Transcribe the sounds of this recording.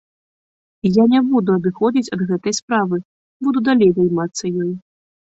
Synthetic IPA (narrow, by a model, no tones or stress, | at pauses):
janʲɛbud̪uɐd̪ɨxɔd͡zʲit͡sʲɐd̪ɣɛt̪ɐjspɾavɨ | bud̪ud̪alʲejzajmat̪sːɐjɔj